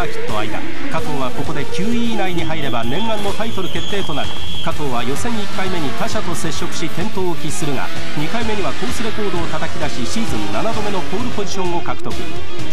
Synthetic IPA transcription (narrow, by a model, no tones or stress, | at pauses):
akʲi̥t̪ːo̞a̰id̪a̰ | kat̪o̞ːβ̞ako̞ko̞d̪e̞kʲɨːiːnaiɲ̟iɦaiɾe̞banẽ̞ŋɡãnːo̞t̪ait̪o̞ɾɯ̟ke̞t̪ːe̞ːt̪o̞naɾɯ̟ | kat̪o̞ːβajo̞sẽ̞ŋ̃ikːaime̞ɲ̟ik̪aɕat̪o̞se̞ɕːo̞kɯ̟̥ɕit̪ẽ̞nt̪o̞ːkʲisɨɾɯ̟ŋa̰ | ɲ̟ikaime̞ɲ̟iβat̪o̞ːsɨɾe̞ko̞ːd̪o̞ːt̪at̪akʲid̪aɕiɕiːzɨ̃nːanad̪o̞me̞no̞po̞ːɾɯ̟po̞d͡ʑiɕõ̞ŋ̃o̞kakɯ̟̥t̪o̞kɯ̟̰